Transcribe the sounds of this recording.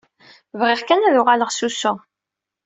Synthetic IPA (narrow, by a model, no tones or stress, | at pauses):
vʁɪʁkænæðʊʁaləʁsusʊ